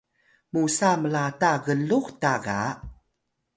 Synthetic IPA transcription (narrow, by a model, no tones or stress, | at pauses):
musaməlataɣəluxtaɣa